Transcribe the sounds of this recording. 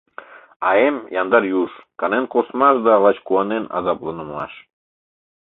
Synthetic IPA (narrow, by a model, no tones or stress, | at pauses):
ɑemjɑnd̪ɑɾjuʃkɑnenkosmɑʃd̪ɑlɑt͡ɕkuɑnenɑ̰zɑplənəmlɑ̰ʃ